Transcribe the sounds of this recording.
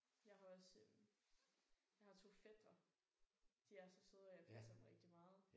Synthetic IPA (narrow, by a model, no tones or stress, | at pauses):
jɑ̈ɪɦɑ̈ɒs | jɑ̈ɪhɑ̈t͡sʰo̝̰ːfed̥ɐ | d̥iæɐsɒsoðˠjɑpʰæsɐmʁɛɡ̥̚d̥imɑ̈ːð̞̩ˠ